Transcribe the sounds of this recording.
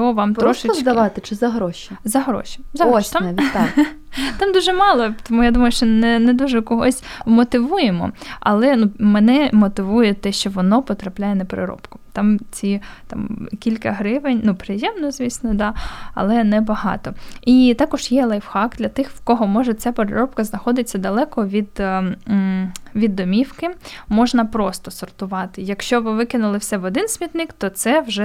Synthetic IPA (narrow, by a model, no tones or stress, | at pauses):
ɔɔʋɑmt̪ɾɔʃɪt͡ʃd̪ɐʋɑt̪ɪt͡ʃɪzɐɦɾɔʃizɐɦɾɔ̰ʃʲi̥zɐɦt̪mt̪ | t̪ɑmd̪uʒɛmɑlˠɔt̪ɔmujad̪umɐjʊʃt͡ʃɔnɛnɛd̪uʒɛkɔɦɔsʲmɔt̪ɪʋujemɔ̰ɐ̰lˠɛnumɛnɛmɔt̪ɪʋujɛt̪ɛʃt͡ʃɔʋɔnɔpɔt̪ɾɐplʲajɛnɐpɾɪ̰ɾɔ̰pkʊ̥t̪ɑmt͡sʲit̪ɑ̰mkʲilʲkɐɦɾɪʋenʲnupɾɪjɛmnɔzʲʋʲisʲnɔd̪ɑɐ̰lˠɛnɛbɐɦɑ̰t̪ɔit̪ɑkɔʒjɛlˠɐjʋxɑkd̪̥lʲɐt̪ɪxwkɔɦɔmɔʒɛt͡sʲapeɾɪ̰ɾɔp̚kɐznɐxɔd̪ɪt͡sʲːɐd̪ɐlˠɛkɔʋʲid̪ | ʋʲid̪ːɔmʲiwkɪmɔʒnɐpɾɔst̪ɔsɔrt̪ʊʋɑt̪ɪjɐkʃt͡ʃɔʋɪʋɪkɪnʊlˠɪwsʲɛʋɔd̪ɪnsʲmʲit̪nɪkt̪ɔt̪sɛwʒɛ